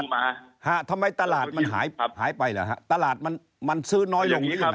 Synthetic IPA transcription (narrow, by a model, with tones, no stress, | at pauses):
a˧ha˧˩t̪ʰa˧mːa˧jt̪a˧laː˨˩t̪̚ma˧nɦa̰ː˩˦jhaː˩˦jpa˧jlɤː˩˦ɦa̰˦˥t̪a˧laː˨˩t̪̚ma˧n | ma˧nsɯː˦˥nɔː˦˥jlo˧ŋiː˦˥˦